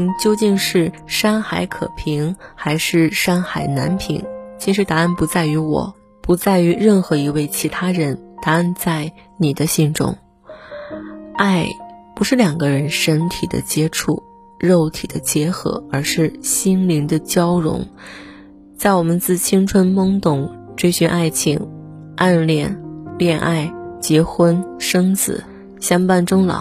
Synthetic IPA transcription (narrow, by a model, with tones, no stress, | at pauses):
t͡ɕjo˥ʊt͡ɕi˥˧ŋʂɻ̩˥˩ʂa˥nxa˧˥ɪkʰɤ̰˨˩pʰi˧˥ŋxa˧˥ɪʂɻ̩˥˩ʂa˥nxa˨˩ɪna̰˧˥npʰḭ˧˩˥ŋt͡ɕʰi˧˥ʂɻ̩˧˥t̪a˧˥a˥˩npu˧˥t͡sa˥˩ɪy˧˥wɔ̰˨˩˦ | pu˧˥t͡sa˥˩ɪy˧˥ɻə˥˩nxɤ˧˥i˧˥we˥˩ɪt͡ɕʰi˧˥t̪ʰa˥ɻə˧˥nt̪a˧˥a˥˧nt͡sa˥˩ɪni˨˩d̪ə˦ɕi˥˧ŋʈ͡ʂʊ̰˥ŋ | a˥˩ɪpu˧˥ʂɻ̩˥˩ljɑ˨˩ŋɡə˦ɻə˧˥nʂə˧˥nt̪ʰi˨˩d̪ə̰˦t͡ɕjɛ˥ʈ͡ʂʰu˥˩ | ɻo˥˩ʊt̪ʰi˨˩d̪ə˦t͡ɕjɛ˧˥xɤ̰˧˥ə˞˧˥ʂɻ̩˥˩ɕi˥nli˧˥ŋd̪ə˧t͡ɕjɑ˥ʊɻʊ̰˧˥ŋ | t͡sa˥˩ɪwɔ˨˩mə˦nt͡sɹ̩˥˩t͡ɕʰi˥ŋʈ͡ʂʰwə˥nmɤ˥ŋt̪ʊ˨˩ŋ | ʈ͡ʂwe˥ɪɕy˧˥nʔa˥˩ɪt͡ɕʰi˨˩ŋ | ʔa˥˧nljɛ˥˩nljɛ˥˧nʔa˥˩ɪt͡ɕjɛ˧˥xwə˥nʂɤ˥ŋt͡sɹ̩̰˨˩ | ɕjɑ˥ŋpa˥˩nʈ͡ʂʊ˥ŋlɑ̰˨˩˦